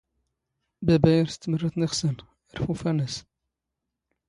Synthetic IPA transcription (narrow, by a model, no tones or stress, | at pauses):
bæbæjəɾst̪mərˤːət̪nəχsən | jəɾˤfufænæs